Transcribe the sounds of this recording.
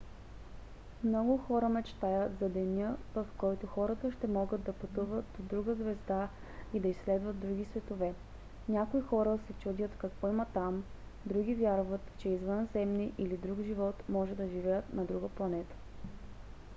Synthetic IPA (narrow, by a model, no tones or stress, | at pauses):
mnɔɡʊxɔɾəmɛt͡ʃt̪ajət̪zɐd̪ɛnʲəvɐfkɔjt̪ʊxɔɾət̪əʃt̪ɛmɔɡəd̪d̪ɐpɐt̪uvət̪̚d̪od̪ɾuɡəzvɛzd̪a | id̪ɐisːlɛd̪vəd̪d̪ɾuɡ̟isvɛt̪ovɛ | nʲakoixɔɾəsɛt͡ʃud̪ʲət̪kɐkvɔimət̪am | d̪ɾuɡʲivʲjaɾvət̪t͡ʃɛizvənzɛmniʔilid̪ɾuɡʒivɔt̪mɔʒɛd̪ɐʒivɛjət̪nɐd̪ɾuɡəplˠɐnɛt̪ə̥